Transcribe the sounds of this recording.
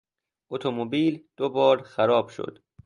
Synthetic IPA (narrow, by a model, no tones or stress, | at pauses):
ʔot̪ʰomobiːld̪̥obɒːɾxæɾɒːb̥ʃo̰d̪̥